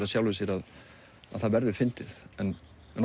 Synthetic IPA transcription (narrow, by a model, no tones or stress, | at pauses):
ɾaðsjawlvɪsjɛɾað | a̰ðθaðvɛɾðʏ̥fɪnt̪ɪθɛn | ɛn